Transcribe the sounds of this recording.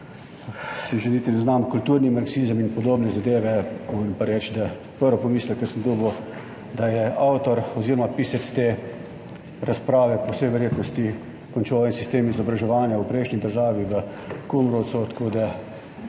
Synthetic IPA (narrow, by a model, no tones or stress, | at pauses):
siʒenit̪inɛznamkult̪uːɾnimaɾksiːzəminpɔd̪oːbnɛzad̪eːʋɛɔnmpaɾɛt͡ʃd̪a | pəɾʋɔpɔmiːsləkɛɾsənd̪ubə | d̪ajɛawt̪ɔɾɔziːɾɔmapisɛt̪st̪eː | ɾaspɾaːʋɛpɔwsɛjʋɛɾjeːt̪nɔst̪i | kɔnt͡ʃoːʋɛnsist̪eːmizɔbɾaʒɛʋaːnjawpɾɛɪʃnid̪əɾʒaːʋiʋə | kumɾɔːt̪sot̪kod̪a